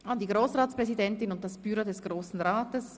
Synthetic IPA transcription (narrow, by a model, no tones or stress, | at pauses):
andiːɡʁoːsʁaːspʁ̥ɛzidɛntɪnʊnt̚d̥asb̥yːɾodɛsɡ̥ʁoːsn̩ʁaːtəs